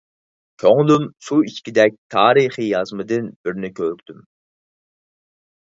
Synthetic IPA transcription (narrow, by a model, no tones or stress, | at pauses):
kʲʰøŋlˠymsuit͡ʃkʲid̪ɛk̚ʲt̪ʰɑːɾɨχijɑzmɨd̪ɨnb̥ɪɾnɪkʲʰøɾykʲt̪ʰym